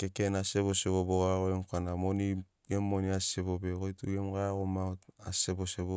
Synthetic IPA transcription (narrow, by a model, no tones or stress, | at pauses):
kekenaseβoseβoboɣaɣoemkanamoni | emːoniaseβobekojtuemɡaaɣomaotasebosebo